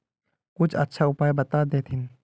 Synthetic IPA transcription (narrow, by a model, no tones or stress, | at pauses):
kʊt͡ʃʰə̰tːʃʰaʊpaːjbɐt̪ad̪eːt̪ʰɪn